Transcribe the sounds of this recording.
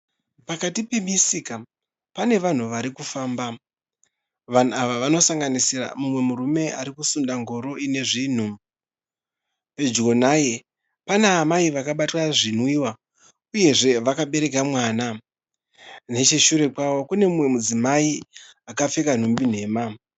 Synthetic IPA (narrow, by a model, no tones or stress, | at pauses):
pakatipe̞misika | pane̞ʋan̤uʋaɾikufaːmba | ʋan̤uaʋaʋano̞saŋɡanisira̰mumwe̞muɾume̞ʔaɾikusundaŋɡo̞ɾo̞ine̞ʐiːn̤u | pe̞d͡ʒɡo̞naje̞ | paneːmaiʋakaɓatwaʐin̤wiːwa | uje̞ʐe̞ʋakaɓe̞ɾe̞kamwaːna | ne̞t͡ʃeʃuɾe̞kwawo̞kune̞mumwe̞mud͡zimaiakafe̞kan̤umbin̤e̞ːma